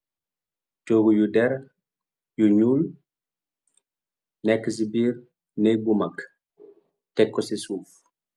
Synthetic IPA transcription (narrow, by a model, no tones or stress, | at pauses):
toɡujudɛɾ | juɲuːl | nɛkːəs̬ibiːr | nɛjbumɐk | tɛkːɔsisuːf